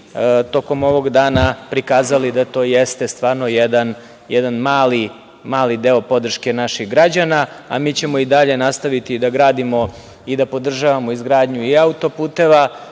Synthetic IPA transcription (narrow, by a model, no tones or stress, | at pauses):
t̪o̞ko̞mo̞ʋo̞ɡd̪aːnapɾikaːzalid̪at̪o̞ːjest̪e̞st̪ʋaːɾnojɛd̪an | jɛd̪anmaːli | maːlid̪eːo̞po̞d̪r̩ʃke̞naʃiɣɡɾad͡ʑanaa̰miːt͡ɕe̞mo̞id̪aʎe̞nast̪aʋit̪id̪aɡɾaːd̪imo̞ | id̪apo̞d̪r̩ʒaʋamo̞izɡɾaːd̪ɲuiaut̪o̞puːt̪e̞ʋa